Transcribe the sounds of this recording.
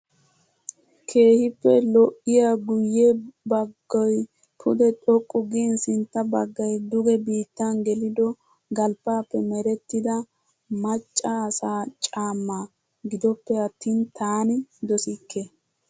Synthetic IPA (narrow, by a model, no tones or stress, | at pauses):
kʰe̞ːhɪpːɛlɔʔɪjaɡʊjːebɐɡːɔj | pʰʊd̪ɛt̪ʼɔkʼːʊɡinsɪnt̪ːɐbɐɡːɐjd̪ʊɡɛbiːt̪ːɐnɡɛlɪd̪ɔ | ɡɐlpːaːpːɛmɛɾɛt̪ːɪd̪ɐ | mɐt͡ʃʼːaːsaːt͡ʃʼaːmːa | ɡɪd̪ɔpːɛɐt̪ːiːnt̪ʰaːnɪd̪ɔsikːe